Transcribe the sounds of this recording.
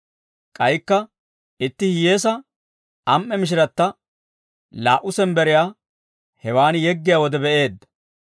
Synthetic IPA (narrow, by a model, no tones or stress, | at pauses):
kʼɐjkːɐ | ɪt̪ːɪhɪje̞ːs̬ɐ | ʔɐmʔːɛmɪʃ̬ɪɾɐt̪ːɐ | laːʔʊsɛnbɛɾɪjaː | hɛwaːnjɛɡːɪjawɔd̪ɛbɛʔe̞ːd̪ːɐ̥